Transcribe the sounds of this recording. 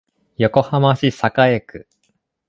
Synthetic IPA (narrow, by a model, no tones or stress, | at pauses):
jo̞ko̞hamaɕisakaekɯ̟